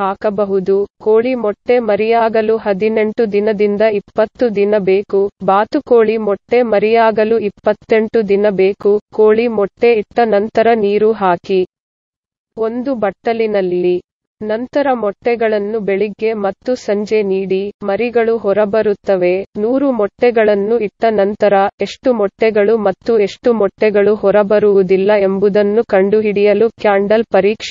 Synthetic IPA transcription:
ɦaːkɐbɐɦud̪ukoːɭimɔʈːe̞mɐɾijaːɡɐluɦɐd̪ine̞ɳʈud̪inɐd̪ind̪ɐipːɐt̪ːud̪inɐbe̞ːkubaːt̪uko̞ːɭimɔʈːe̞mɐɾɛjaːɡɐluipːɐt̪ːe̞ɳʈud̪inɐbeːkuko̞ːɭimɔʈːe̞iʈːɐnɐnt̪ɐɾɐniːɾuɦaːki | o̞nd̪ubɐʈːɐlinɐlːi | nɐnt̪ɐɾɐmɔʈːɛɡɐɭɐnːube̞ɭiɡːe̞mɐt̪ːusɐɲd͡ʒe̞niːɽimɐɾiɡɐɭuɦɔɾɐbɐɾut̪ːɐʋe̞nuːɾumɔʈːɛɡɐɭɐnːuiʈːɐnɐnt̪ɐɾɐe̞ʂʈumɔʈːɛɡɐɭumɐt̪ːue̞ʂʈumɔʈːɛɡɐɭuɦɔɾɐbɐɾuʋud̪ilːɐe̞mbud̪ɐnːukɐɳɖuɦiɽijɐlukjaːɳɖɐlpɐɾiːkʂ

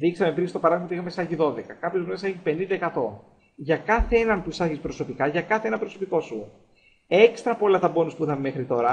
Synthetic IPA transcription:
ðiksɐme̞pinsist̪o̞pɐɾɐðimɐixɐmesɐʝiðo̞ðe̞kɐkɐpço̞zumeseçipe̞nind̪ɐekɐt̪o̞ | ʝɐkɐθeenɐnpuisɐɾʝispɾo̞so̞pikɐʝɐkɐθeenɐpɾo̞so̞piko̞su | e̞kst̪ɾɐpo̞lɐt̪ɐbo̞nuspuiθɐmeme̞xɾit̪o̞ɾɐ

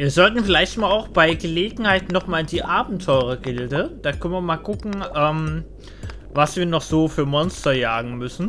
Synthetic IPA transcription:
viːɐzɔltn̩fɪlaɪçtmaːlaʊxb̥aɪɡəleːɡŋ̩haɪtnɔχmaːldiːʔaːbm̩tʰɔʏʁɐɡɪldəd̥aːkʰœnviːɐmaːlɡʊkŋ̩ʔɛːm | vasv̥iːɐnɔχz̥oːfyːɐmɔnstɐjaːɡŋ̩mʏsn̩

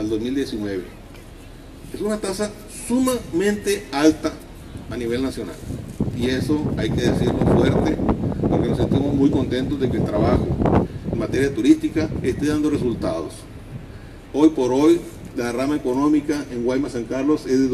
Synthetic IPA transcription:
ald̪ozmild̪je̞sinweβḛ | esunat̪asa | sumamẽnt̪ealt̪aː | niβe̞lnasjo̞na̰liesoajke̞ðesiɾlo̰fweɾt̪epoɾke̞nose̞nt̪imozmujko̞nt̪e̞nt̪ozðe̞keːlt̪ɾaβaxoeŋmat̪e̞ɾjat̪uɾist̪ikaest̪eðand̪oresult̪a̰ðo̰s | o̞jpo̞ɾojlaðramaeko̞nomikaʔeŋwajmasaŋkaɾlo̞sezðe

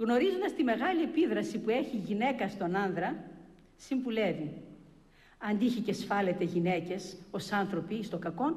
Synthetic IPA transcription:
ɣno̞ɾizond̪ɐst̪ime̞ɣɐlie̞piðɾɐsipue̞çiʝine̞kɐst̪o̞nɐnðɾɐ | simbule̞vi | ɐnd̪iiçecesfɐle̞t̪eʝine̞ce̞so̞sɐnθɾo̞pist̪o̞kɐko̞n

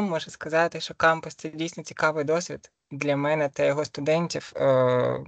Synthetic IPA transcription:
ɔʒɛskɐzɑt̪ɪʃt͡ʃɔkɑmpʊst̪ɛdʲijsʲnɔt͡sʲi̥kɑʋɪjd̪ɔsʲʋʲid̪ | d̪lʲɐmɛnɛt̪ɐjɔɦɔst̪ʊd̪ɛnʲtʲiw

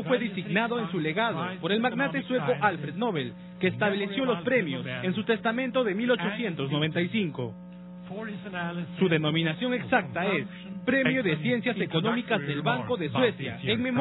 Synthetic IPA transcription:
fwe̞ðisiɣnaðo̞ensule̞ɣaðopo̞ɾe̞lmaɣnat̪e̞swe̞ko̞ʔalfɾe̞ðno̞βel | keːst̪aβle̞sjo̞lospɾe̞mjo̞se̞nsut̪e̞st̪amẽ̞nt̪o̞ðe̞milo̞t͡ʃo̞sje̞nt̪o̞znoβe̞nt̪aisiŋko̞̰ | suðe̞nõ̞mĩnasjo̞ŋe̞ksak̚t̪ae̞s | pɾe̞mjo̞ðe̞sje̞nsjase̞ko̞nõ̞mikazðe̞lβaŋko̞ðe̞swe̞sja̰eŋme̞m

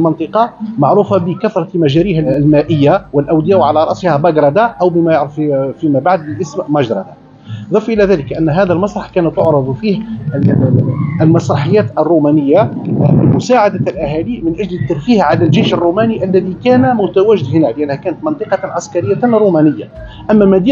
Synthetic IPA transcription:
lmɑnt̪ˤɨqɑmaʕɾuːfɑbəkæθɾˤɑmæʒæɾihlmæʔəjːawəlʔæwd̪əjæʔwʕalæɾˤɑʔsihɑbɑɡɾˤɑd̪aʔəwbəmæjʊʕɾəffimæbaʕd̪̚bəlʔəsmmɑʒɾˤɑ̰d̪a | ðˤɑfʔəlæðæləkʔænːɦæd̪əlmɑsˤɾˤɑħkænət̪ːʊʕɾˤɑd̪ˤfih | əlmɑsɾˤɑħəjːæːt̪ərˤːumænəjːabəmʊsaːʕad̪alʔæɦælimənʔæʒlət̪ːɑɾˤfihʕalælʒejʃərˤːumæniʔælːæðikænæmʊt̪æwæʒɪd̪hənæləʔænːhækæːnət̪mənt̪ˤɨqɑʕaskɑɾəjːanɾˤumænəjːa | ʔæmːæmæd̪i

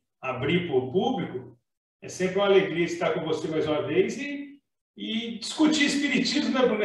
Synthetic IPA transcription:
abɾipoɾpublikʊ | ɛ̰sẽpɾɪũɐaleɡɾiɐist̪akõvosemajzũmɐvejzɪː | d͡ʒiskut͡ʃiispiɾit͡ʃizmmepɾĩm

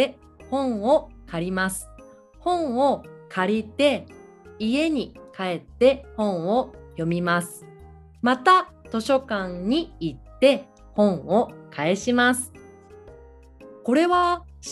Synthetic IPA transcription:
e | hõ̞ɰ̃okʰaɾʲimasɨ̥ | hõ̞ɰ̃o̞kʰaɾʲit̪e̞ | ie̞ɲ̟ikae̞t̪ːe̞hõ̞ɰ̃o̞jo̞mʲimasɨ̥ | mat̪a | t̪o̞ɕo̞kãɲɲiit̪ːe̞ | hõ̞ɰ̃o̞kʰae̞ɕimasɨ̥ | ko̞ɾe̞βa

